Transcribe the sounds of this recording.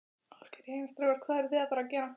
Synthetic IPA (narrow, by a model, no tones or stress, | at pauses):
alscɪ̥ɾeːjnast̪ɾɛvɛɾ̥kʰvaːðɛɾθɪðapaːɾacɛːɾa